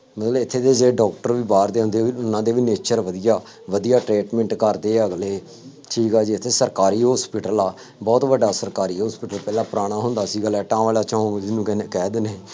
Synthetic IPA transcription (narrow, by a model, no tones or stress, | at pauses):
mət̪ləɪt̪ʰːeːd̪eːd͡ʒeːɖɔːkʈəɾʋiːbaːɾd̪eːɦʊ̃nd̪eːiʊnãːd̪eːʋiːneːt͡ʃəɾʋəd̪ijaː | ʋəd̪ijaːʈɾeːʈmɛ̃ɳʈkəɾd̪eːəɡleː | ʈʰiːkaːd͡ʒiːɪt̪ʰːeːsəɾkaːɾiːɦoːspɪʈəlaː | bɔːt̪ʋəɖaːsəɾkaːɾiːɦɔːspɪːʈəlpɛːlãːpɾaːɽ̃aːɦʊ̃nd̪aːsiːɡəlɛːʈãːʋaːlaːt͡ʃãːõːd͡ʒɪsnũːkɛːd̪ɪneː